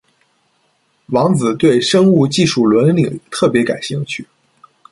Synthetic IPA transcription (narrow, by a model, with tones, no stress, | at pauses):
wɑ˧˥ŋd͡zɹ̩˨˩t̪we˥˩ɪʂɤ˥ŋu˥˧t͡ɕi˥˧ʂu˥˩lwə˧˥nli˨˩ŋt̪ʰɤ˥˩pjɛ˧˥ka˨˩ɪɕi˥˩ŋt͡ɕʰy˥˩